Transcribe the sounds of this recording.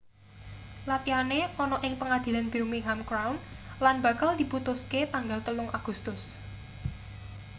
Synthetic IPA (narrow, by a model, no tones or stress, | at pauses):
lat̪ianeɔnɔʔɪŋpəŋad̪̥i̤lanb̥iɾumiŋɦamkɾawnlanba̤kald̪̥i̤put̪ʊsket̪aŋɡalt̪ənʊŋʔaɡ̥ust̪ʊs